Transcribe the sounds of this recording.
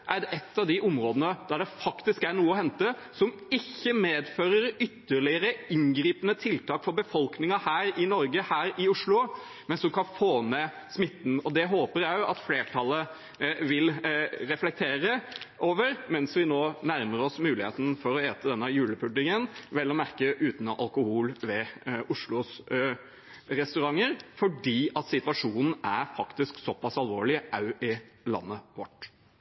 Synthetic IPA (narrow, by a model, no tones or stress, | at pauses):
ʔæɾd̪ɛʔɛt̪ːɑʋd̪ɪʔʊmɾoːd̪ənəd̪æɖɛfɑkt̪ɪskæɾɳuːəɔhɛnt̪əsɔm | ɪçːəmeːd̪føːɾəɾʏt̪ːəɭɪəɾəɪŋɡɾiːpənət̪ʰɪlt̪ʰɑːkfɔɾbəfɔlknɪŋəhæːɾɪnɔɾɡəhæːɾɪʊʂɭʊ | mɛnsɔmkʰɑnfoːmeː | smɪt̪ːn̩ɔd̪ɛɦoːpəɾjæjʊʔɑt̪fleːʈʰɑlːə | ʋɪlɾɛflɛk̚t̪ʰeːɾəʔoːʋəɾmɛnsʋɪnoːnæɾməɾɔsmʉːlɪheːt̪n̩fɔɾɔeːt̪əd̪ɛnːəjʉːləpʰʉɖ̪ːɪŋənʋɛlːɔmæɾkəʔʉːt̪nɔʔɑ̰lkʊhuːlʋɛʔʊʂɭʊs | ɾɛst̪ʉɾɑŋːəɾfɔɖiːɑt̪sɪt̪ʋɑʂuːnn̩æɾfɑkt̪ɪsksɔpɑsɑlʋoːɭɪʔɑʉʔɪlɑ̰nːəʋɔʈː